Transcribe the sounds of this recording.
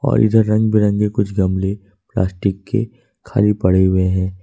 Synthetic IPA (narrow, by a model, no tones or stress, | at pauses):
ɔ̰ːɾʔɪ̰d̪əɾːɐ̃ŋɡbʱiɾɐ̃ŋɡekʊt͡ʃʰɡɐmle | pla̰ːsʈɪkːḛ | kʰa̰ːlipɐɽeɦʊeɦɛ̃ː